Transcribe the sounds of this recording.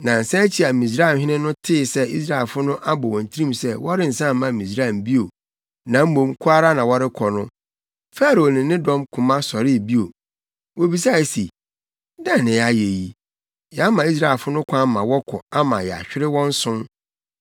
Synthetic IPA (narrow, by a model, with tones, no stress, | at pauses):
nã˨n̩˨sã˦t͡ɕʰi˨a˨mĩ˨s̬ɾa˦˨m˨ɦɪ̃˦nɪ̃˦nʊ̃˦tʰɪ˦˨sɛ˦i˦s̬ɾa˦˨ɛ˨lfʊ˦nʊ̃˦ʔa˦bɔ˨wɔ̃˨n̩˨tʰi˦ĩ˦˨msɛ˦wɔ˦ɾɪ˦n̩˨sã˦˨m˦mːã˨mĩ˨s̬ɾa˦˨mbi˦o˨ | nã˨m̩˦mõ˨mkʰʊ˦a˦ɾa˦nã˨wɔ˦ɾɪ˦kʰɔ˨nʊ̃˦ | fa˦ɾo˨nɪ̃˨nɪ̃˦dɔ̃˦mkʰʊ̃˨mã˦sɔ˨ɾɪ˦˨bi˦o˨ | wo˨bi˨s̬a˦˨si˨ | dã˦˨nɪ̃˨a˨je˨ji˨ | jɛ˨a˦mã˨i˦s̬ɾa˦˨lfʊ˦nʊ̃˦kʷʰã˦mã˨wɔ˦kʰɔ̰˨a˦mã˨jɛ˨a̰˨ɕᶣɪ˦ɾɪ˦wɔ̃˦n̩˦sʊ̃˦n